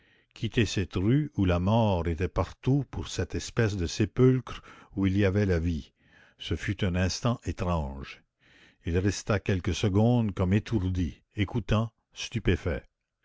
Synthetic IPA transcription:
kʲʰit̪esɛt̪ʁyulamɔːʁet̪ɛpaʁt̪upuʁsɛt̪ɛspɛs̬d̪əsepylkɾuiliavɛlavi | səfyt̪ɛ̃nɛ̃st̪ɑ̃ʔet̪ʁɑ̃ːʒ | ilʁɛst̪akʲɛlkəsəɡɔ̃d̪kɔmet̪ʰuʁd̪i | ekut̪ɑ̃ | st̪ypefɛ

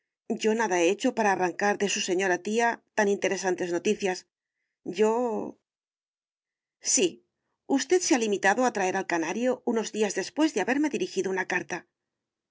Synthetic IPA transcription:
ɟ͡ʝo̞naðae̞et͡ʃo̞paɾaːraŋkaɾðe̞suse̞ɲo̞ɾat̪iat̪anint̪e̞ɾe̞sant̪e̞zno̞t̪iθjas | ɟ͡ʝo̞ | si | ust̪e̞ðsealimit̪aðoat̪ɾae̞ɾalkanaɾjo̞uno̞zðiazðe̞spwe̞zðeaβe̞ɾme̞ðiɾixiðo̞unakaɾt̪a

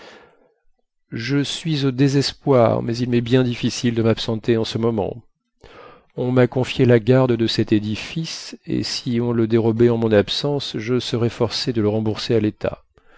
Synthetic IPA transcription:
ʒəsɥizod̪ezɛspwa̰ʁmɛzilmɛbjɛ̃d̪ifisild̪əmapsɑ̃t̪eɑ̃səmɔmɑ̰̃ | ɔ̃makɔ̃fjelaɡaʁd̪d̪əsɛt̪ed̪ifisḛsiɔ̃ləd̪eʁɔbeɑ̃mɔ̃napsɑ̃sʒəsəʁɛfɔʁsed̪ələʁɑ̃buʁsealet̪ʰa̰

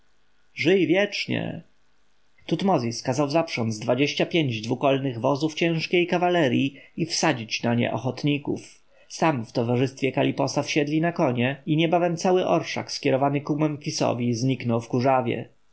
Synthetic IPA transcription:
ʐɘjvʲjɛt͡ʂɲɛ̰ | t̪ut̪mɔzʲiskazawzapʂɔnd̪zd̪vad͡ʑeɕapʲjeɲd͡ʑd̪vukɔlnɘɣvɔzuft͡ɕɛ̃ʂkʲejkavalɛɾʲjiifsad͡ʑit͡ɕnaɲɛ̰ʔɔxɔt̪ɲikuf | samft̪ɔvaʐɘst̪fʲjɛkalʲipɔsafɕɛd̪lʲinakɔɲɛiɲɛbavɛmt̪sawɘʔɔɾʂa̰kskʲɛɾɔvanɘkumɛmfʲisɔ̰vʲizɲiknɔwfkuʐavʲjɛ̰

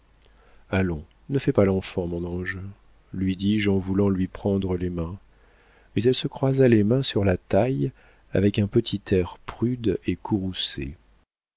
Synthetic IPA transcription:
alɔ̃ | nəfɛpalɑ̃fɑ̃mɔ̃nɑ̃ʒ | lɥid̪iʒɑ̃vulɑ̃lɥipχɑ̃d̪ʁəlemɛ̃ | mɛzɛlsəkχwazalemɛ̃syʁlat̪aj | a̰vɛkɛ̃pət̪ʰit̪ʰɛʁpχyd̪ekʰuʁusḛ

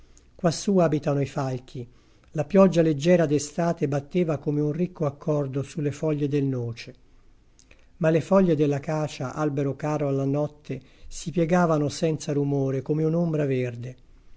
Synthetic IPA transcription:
kwasːuːaːbit̪anoifalk̟ʰi | lapjɔd͡ʒːaled͡ʒːɛːɾad̪est̪aːt̪ebat̪ːeːvakomeunrikːoakʰːɔrd̪osulːefɔʎːed̪elnoːt͡ʃe | malːefɔʎːed̪elːakaːt͡ʃaʔalbeɾokaːɾoalːanɔt̪ːe | sipjɛɡaːvanosɛnt̪saɾumoːɾekomeunombɾaverd̪e

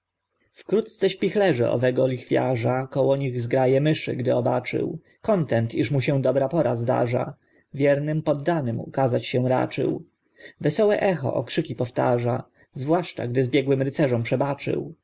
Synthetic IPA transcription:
fkɾut̪t̪sɛɕpʲixlɛʐɛ̰ʔɔ̰vɛɡɔlʲixfʲjaʐakɔwɔɲiɣzɡɾajɛmɘʂɘ̰ɡd̪ɘɔba̰t͡ʂɘ̰w | kɔnt̪ɛnt̪iʂmuɕɛ̃d̪ɔbɾapɔɾazd̪a̰ʐa̰ | vʲjɛɾnɘmpɔd̪ːanɘmṵkazat͡ɕɕɛw̃ɾa̰t͡ʂɘ̰w | vɛsɔwɛʔɛxɔ̰ʔɔkʂɘkʲipɔft̪a̰ʐa | zvwaʂt͡ʂa̰ɡd̪ɘzbʲjɛɡwɘmɾɘt̪sɛʐɔmpʂɛbat͡ʂɘ̰w

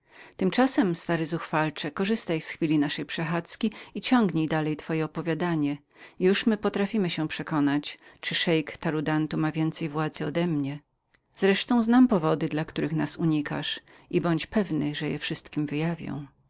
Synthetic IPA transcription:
t̪ɘmt͡ʂasɛmst̪aɾɘzuxfalt͡ʂɛkɔʐɘst̪ajsxfʲilʲinaʂɛjpʂɛxat̪skʲiit͡ɕɔ̃ŋɡɲejd̪alɛjt̪fɔjɛɔpɔvʲjad̪aɲɛ | juʂmɘpɔt̪ɾafʲimɘɕɛpʂɛkɔnat͡ɕt͡ʂɘʂɛjkt̪aɾud̪ant̪umavʲjɛnt̪sɛjvwad̪zɘɔd̪ɛmɲɛ | zɾɛʂt̪ɔ̃w̃znampɔvɔd̪ɘd̪lakt̪uɾɘxnasuɲika̰ʂ | ibɔɲt͡ɕpɛvnɘʐɛjɛ̰fʂɘst̪kʲimvɘjavʲjɔ̰̃w̃

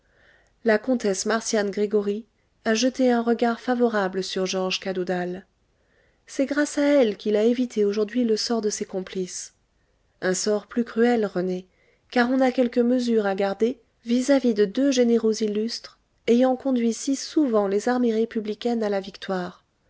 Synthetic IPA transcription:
lakɔ̃t̪ɛsmaʁsjanɡʁeɡɔʁi | aʒət̪eɛ̃ʁəɡaʁfavɔʁabləsyʁʒɑʁʒkad̪ud̪al | sɛɡʁasaɛlkʲilaevit̪ʰeoʒuʁd̪ɥiləsɔʁd̪əsekɔ̃plis | ɛ̃sɔʁplykχyɛlʁəne | kaʁɔ̃nakʲɛlkəməzyʁaɡaʁd̪e | vizavid̪əd̪øʒeneʁozilːyst̪χ | ejɑ̃kɔ̃d̪ɥisisuvɑ̃lezaʁmeʁepyblikʲɛnalavikt̪waːʁ

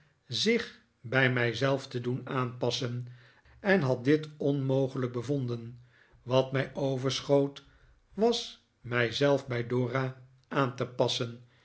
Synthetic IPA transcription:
zɪχ | bɛjmɛjzɛlˠftədunaːnpɑsən | ɛnɦɑt̚dɪtɔnmowχələk̚bəvondən | ʋɑtmɛjowvəɹsχowt | ʋɑs | mɛjzɛlˠfbɛjdʊːra | ʔaːntəpɑsən

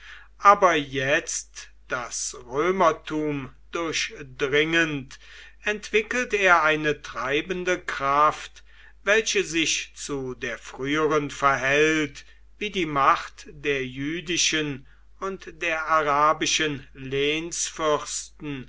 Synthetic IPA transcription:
ʔaːbɐjɛt͡st | d̥asʁøːmɐtʰuːmd̥ʊɐçdʁɪŋənt | ʔɛntv̥ɪkəl̩teːɐʔaɪnətʁ̥aɪbəndəkʁ̥aft | vɛlɕəzɪçt͡sudeːɐfʁ̥yːəʁənfɛɐɦɛlt | viːdiːmaχtd̥eːɐjyːdɪʃən | ʊntd̥eːɐʔaʁaːbɪʃənleːnsfʏɐstn̩

